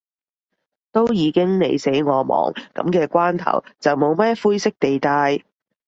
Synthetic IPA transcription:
t̪o˥wjiː˨˧kɪ˥ŋne˨˧jse˨˥jŋɔː˨˧mɔ̰ː˨˩ŋkɐ̰˨˥mkɛː˧kʷaː˥nt̪ʰɐ̰˨˩wt͡sɐ˨wmo˨˧wmɐ˥fuː˥jsɪ˥k̚t̪e˨jt̪aː˧j

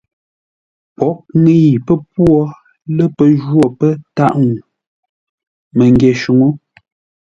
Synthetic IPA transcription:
pɔ˨˦ʔ̚ŋe˦ji˨pə˦p̚wɔ˦ | lə˦pə˨ʒwɔ˦˨pə˦ta˦ʔŋu˨ | mə˨ŋɡjɛ˨ʃu˨ŋo˦

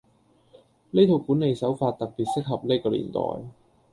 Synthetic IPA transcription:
ne˥jt̪ʰo˧wkuː˨˥nːe˨˧jsɐ˨˥wfaː˧t̚t̪ɐ˨k̚piː˨t̚sɪ˥k̚ɦɐ˨p̚ne˥jkɔː˧lḭː˨˩nt̪ɔ̰ː˨˩j

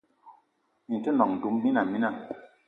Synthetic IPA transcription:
mi˨tə˦nɔ˨ŋn̩˨du˨˦mmi˦na˨mi˦na˨

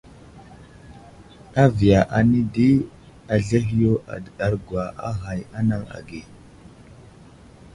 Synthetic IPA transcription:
a˦vi˨ja˨ʔa˨ni˦di˦ | a˨ɮe˦ɦi˦jo˦ʔa̰˨dɗa˦ɾɡwa˨ʔa˦ɦa˨ja˦na˦ŋa̰˨ɡi˨

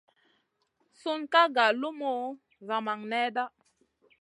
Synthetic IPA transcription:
su˦nka˦ɡa˨lu˦mo˦ | za˨ma˨ŋnɛ˦da˦

